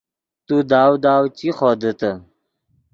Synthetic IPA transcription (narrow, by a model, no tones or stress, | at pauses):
t̪ud̪aːwd̪aːwt͡ɕiχɔd̪ət̪ə